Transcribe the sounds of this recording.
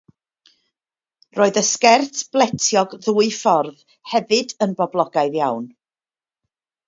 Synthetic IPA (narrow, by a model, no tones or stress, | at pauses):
roːɨðəskɛrθb̥lˠɛtʰjɔɡðuːɨfɔrð | hɛvɨdənbɔblˠɔɡaɨðjawn